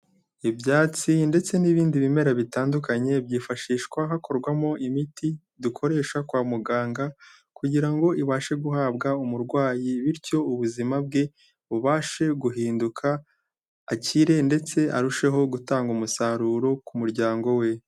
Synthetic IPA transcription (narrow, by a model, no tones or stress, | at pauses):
ibjaːt͡sinde̞t͡se̞niβiːndiβime̞ɾaβitaːndukaɲe̞bɟiːfaʃiːʃkwaɦako̞ɾɡwamo̞ʔimiti | dukʰo̞ɾe̞ːʃakwaːmuɡaːŋɡa | kuɟiɾaŋɡo̞ʔiβaːʃe̞ɡuhaːbɡaumuɾɡwaːjiβiɾco̞uβuzimab̚ɡe̞ | βuβaːʃe̞ɡuɦiːndukʰaː | ciɾe̞nde̞t͡se̞ʔaɾuʃe̞ɦo̞ɡutaːŋɡumusaɾuːɾo̞kumuɾɟaːŋɡo̞we̞